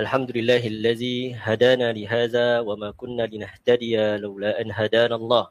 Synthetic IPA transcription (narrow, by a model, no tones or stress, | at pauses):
ʔalħamd̪ʊlɪlːaːɦɪʔalːaðiːhad̪aːnaːlɪɦaːðaːwamaːkʊnːaːlɪnaht̪ad̪ɪjalawlaːʔanɦad̪aːnaːlˤːɑːh